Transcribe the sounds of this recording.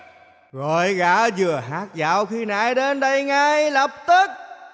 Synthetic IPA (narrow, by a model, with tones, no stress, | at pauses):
ɣo˧˨˩jɣaː˧˦zɨ˨˩əɦaː˦˥k̚za̰ː˧˨wxi˧na̰ː˧˨˦jɗe˧nɗə˧jŋa˧jlə˨˩p̚t̪ɨ˦˥k̚